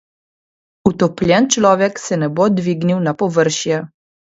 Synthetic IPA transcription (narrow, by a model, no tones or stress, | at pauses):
ut̪ɔplʲjɛnt͡ʃlɔːʋɛksɛnɛbod̪ʋiːɡniwnapɔʋəɾʃjɛ